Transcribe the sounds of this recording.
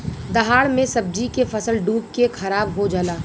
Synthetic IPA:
d̪ɐɦaːɽmẽsɐb̚d͡ʒikefɐsəlɖuːp̚kekʰɐɾaːbɦod͡ʒaːlaː

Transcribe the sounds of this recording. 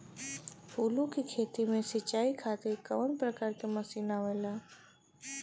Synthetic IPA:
ulukikʰeːt̪imẽsɪt͡ʃaːikʰaːt̪ekəʋənpɾəkaːɾkeməsiːnaʋɛːlaː

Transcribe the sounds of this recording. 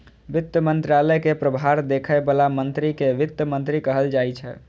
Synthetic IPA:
ʋɪt̪ːəmənt̪ɾaləjkepɾəbʱɦaɾd̪ekʰəebəlamənt̪ɾikeʋɪt̪ːəmənt̪ɾikəɦəld͡ʒajt͡ʃʰɛ̰

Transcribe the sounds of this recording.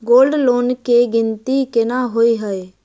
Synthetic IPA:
ɡoːlɖloːnkeɡɪnt̪ikɪnaːɦoːiɦəe

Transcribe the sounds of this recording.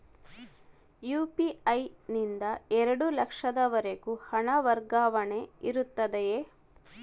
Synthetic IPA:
juːpiɐjnind̪ɐɛɾɐɽulɐkʂɐd̪ɐʋɐɾeɡuhɐɳɐʋɐɾɡaːʋɐɳe̞iɾut̪ːɐd̪ejeː

